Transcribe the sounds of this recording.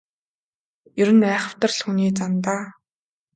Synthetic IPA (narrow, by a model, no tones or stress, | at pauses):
jɵɾɘ̆næːχə̆w̥t̪ə̆rɮxuniːt͡sant̪aː